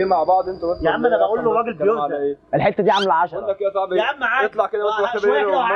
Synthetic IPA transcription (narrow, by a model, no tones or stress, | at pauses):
emaʕbɑʕd̪ˤʔent̪æwæsjaʔæmʔænæbæʔuːlːorˤːɑːɡelbejoaæʔeːelħet̪ːæd̪iːʕamelʕɑʃɑɾeˤɑækːed̪æsˤɑbemːaʕaet̪ˤlɑʕked̪æææe